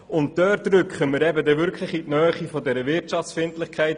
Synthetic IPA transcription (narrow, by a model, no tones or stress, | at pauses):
ʊntdœːtɾʏkχəmɪɾɛbədɛvʏɾkʰχləχitnœːχifɔdɛɾəvɪtt͡ʃɑft͡sfɪntlɪχkʰaɪt